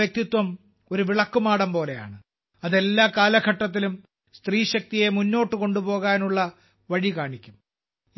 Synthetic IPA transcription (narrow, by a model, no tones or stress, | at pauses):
ɐk̚t̪it̪wɐm | o̞ɾuʋiɭɐkːumaːɽɐmpo̞ːle̞ja̰ːɳɨ | ɐðe̞lːaːkaːlɐɡʱɐʈːɐt̪̬ːilum | st̪riːɕɐk̚t̪ije̞munːo̞ːʈːɨko̞ɳɖupo̞ːɣaːnuɭːɐ | ʋɐɻikaːɳikʲːum